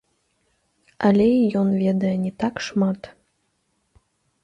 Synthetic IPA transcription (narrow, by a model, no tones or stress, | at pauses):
alʲeijonvʲed̪əjənʲit̪ɑkʃmɑt̪